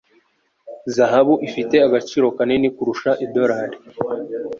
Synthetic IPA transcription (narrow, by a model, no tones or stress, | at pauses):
zaɦaβuʔifite̞aɡat͡ʃiːɾo̞kanenikuɾuʃaʔedo̞ɾaɾe